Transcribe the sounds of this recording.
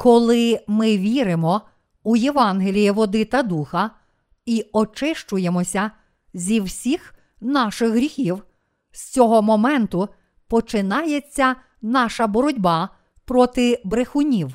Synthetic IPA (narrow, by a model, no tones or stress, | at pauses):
kɔlˠɪmɪʋʲiɾɪmɔ | ujeʋɑnɦelʲijiʋɔd̪ɪt̪ɐd̪uxɐ | iɔt͡ʃɪʃt͡ʃʊjemɔsʲɐ | zʲiwsʲix | nɑʃɪxɦɾʲixʲiw | st͡sʲɔɦɔmɔmɛnt̪ʊ | pɔt͡ʃɪnɑjet͡sʲːɐ | nɑʃɐbɔɾɔdʲbɑ | pɾɔt̪ɪbɾexʊnʲiw